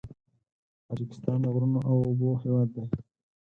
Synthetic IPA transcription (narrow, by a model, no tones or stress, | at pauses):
t̪ɑd͡ʒɪkɪ̥st̪ɑnd̪əɣɾunoʔawobohewɑd̪ːaj